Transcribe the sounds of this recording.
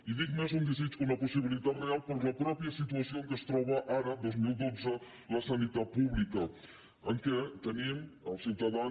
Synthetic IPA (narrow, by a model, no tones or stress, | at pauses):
iðik̚mezund̪əzit͡ʃkuməpusiβ̞ilit̪at̪realˠpəɾləpɾɔpiəsit̪uəsioŋkəst̪ɾɔβəʔaɾəd̪ozmilˠd̪od͡zə | ləsənit̪at̪̚puβlikə | əŋkət̪əniməlˠsiwt̪əða